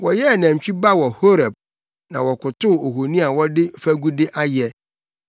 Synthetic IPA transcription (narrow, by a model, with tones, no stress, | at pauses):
wɔ˨jɛ˦˨næ̃˨ɲ˨t͡ɕᶣi˦ba˦wɔ˨ho˦ɾa˨b̚ | nã˨wɔ˨kʰʊ˨tʰʊ˦˨o˨ɦo˨nĩ˦a˨wɔ˦dɪ˦fæ˦ɡu˦dɪ˦ʔa˦jɛ˦